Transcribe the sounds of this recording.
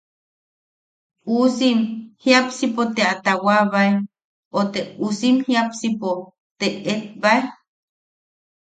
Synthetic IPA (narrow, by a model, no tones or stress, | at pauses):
usimhijapsipot̪eat̪awaβae | ot̪eusimhiapsipo | t̪eet̪̚bae